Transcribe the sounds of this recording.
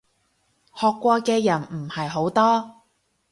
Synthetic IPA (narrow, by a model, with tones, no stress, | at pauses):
hɔː˨kʷːɔː˧kɛː˧jɐ˨˩nm̩˨˩hɐ˨jɦo˨˥wt̪ɔː˥